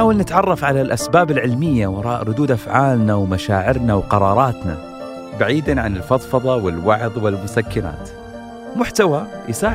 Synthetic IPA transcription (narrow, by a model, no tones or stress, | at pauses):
aːwalnɪt̪ʕɑrˤːɑfʕalalʔasbaːbɪlʕɪlmɪjːawɑɾˤɑːʔɾˤʊd̪uːd̪ʔafʕaːlnawmaʃaːʕɪɾnawqɑɾˤɑːɾˤɑːt̪na̰ | baʕiːd̪anʕanɪlfɑðˤfɑðˤɑwɪlwɑʕðˤwɪlmʊsakːɪna̰ːt̪ | mʊħt̪awajsaː